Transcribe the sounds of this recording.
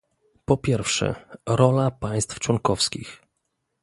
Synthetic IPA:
pɔpʲjɛɾfʂɛ̰ɾɔlapaj̃st̪ft͡ʂwɔŋkɔfskʲix

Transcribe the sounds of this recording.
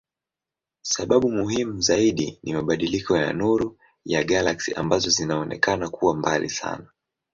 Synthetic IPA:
saɓaɓumuhimuzaiɗinimaɓaɗilikɔja̰nuɾu | jaɡalaksiʔa̰mbazɔzinaɔnɛ̰kanakʰuwambalḭsa̰na

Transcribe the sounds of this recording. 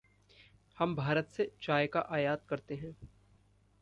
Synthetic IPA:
hɐmbʱaːɾət̪set͡ʃaːjkaʔaːjaːt̪̚kɐɾt̪eɦɛ̃ː

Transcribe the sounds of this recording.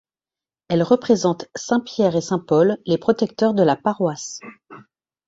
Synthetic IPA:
ɛlʁəpχezɑ̃t̪sɛ̃pjɛʁesɛ̃pɔlːepχɔt̪ɛk̚t̪œʁd̪əlapaʁwas

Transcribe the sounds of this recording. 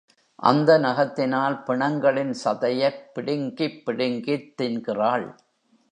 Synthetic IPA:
ʔɐ̰nd̪ɐnɐɣɐt̪ːɪnaːlpɪɳɐŋɡɐɭɪnsɐðɐjɐpːɪɽɪŋɡipːɪɽɪŋɡɪt̪ːɪnɡɪraːɭ

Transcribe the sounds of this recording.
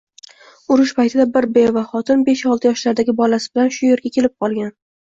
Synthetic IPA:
ʊɾɪʃpajt̪ʰɪd̪abɪɾbevaχɒt̪ʰɪnbe̞ʃɒlˠt̪ɪjɒʃlaɾd̪aɡʲɪbɒlasɪ̥bɪlanʃʊje̞ɾɡʲakʲʰe̞lɪp̚qʰɒlˠɡʲan

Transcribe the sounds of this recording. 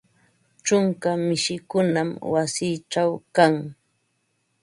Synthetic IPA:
ʈ͡ʂʊŋkamɪʃɪkʊnamwasiːʈ͡ʂawkaŋ

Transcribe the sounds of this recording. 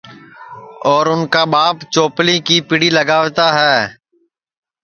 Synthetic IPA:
ɔːɾʊnkaːbaːpt͡ʃoːpliːkiːpɪɽiːləɡaːʋt̪aːɦɛː

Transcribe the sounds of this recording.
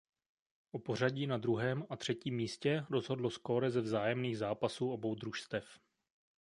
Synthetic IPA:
ʔopo̞r̝aɟiːnad̪ɾuɦɛːmat̪r̝̥ɛciːmːiːscɛɾo̞zɦo̞dlosko̞ɾɛzɛvzaːjɛmniːɣzaːpasuːʔo̞bo̞wd̪ɾuʃst̪ɛf

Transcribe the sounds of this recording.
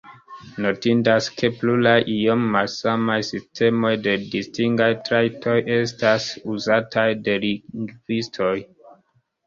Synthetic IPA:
no̞tindaske̞plulajʔiomːalsamajsistʰe̞mo̞jde̞distiŋɡajtɾajtʰo̞je̞stasuzatʰajde̞liɡvistʰo̞j

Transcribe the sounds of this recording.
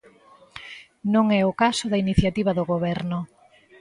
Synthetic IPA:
nõŋɛʊkasʊðɐiniθjat̪iβɐðʊɣoβɛɾnʊ

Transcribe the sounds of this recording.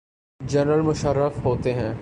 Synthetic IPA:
d͡ʒəɾnəlmʊʃəɾːəfɦoːt̪eɦɛ̃ː

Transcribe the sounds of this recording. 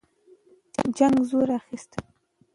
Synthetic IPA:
d͡ʒaŋɡzoɾaxist̪a

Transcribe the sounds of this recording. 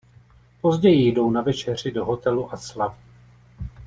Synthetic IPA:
po̞zɟɛjɪjdo̞wnavɛt͡ʃɛr̝ɪdo̞ɦo̞t̪ɛluʔaslavu

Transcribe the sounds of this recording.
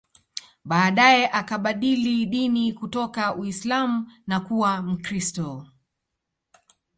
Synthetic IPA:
ɓaːɗajɛʔakaɓaɗiliɗinikutɔkauislamunakuwam̩kɾistɔ

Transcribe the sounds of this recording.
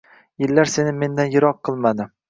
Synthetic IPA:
jɪlːaɾse̞nɪme̞nd̪anjɪɾɒqʰːɨlˠmad̪ɪ

